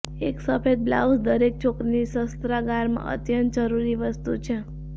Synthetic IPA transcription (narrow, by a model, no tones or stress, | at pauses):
eksəfed̪̚bla̰usd̪əɾek̚t͡ʃʰokɾinisəst̪ɾaɡaɾmã̰ʔə̰t̪jənt̪̚d͡ʒəɾuɾiʋəst̪ut͡ʃʰe